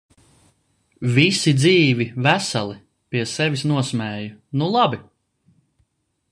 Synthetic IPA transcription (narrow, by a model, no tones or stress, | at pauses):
visid̪ziːvivæsalˠi | piɛsɛvʲisnuɔsmɛːjunulˠɑbi